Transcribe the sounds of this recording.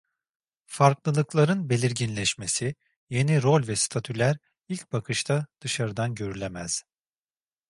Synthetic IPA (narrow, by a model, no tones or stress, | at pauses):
faɾklˠɯlˠɯklˠaɾɯnbe̞lʲiɾɟinlʲɛʃmesi | je̞niɾo̞lʲvɛst̪ʰat̪ʰylʲæɾ | ilʲc̚bakʰɯʃt̪ʰad̪̥ɯʃaɾɯd̪anɟø̞ɾylʲemæz̥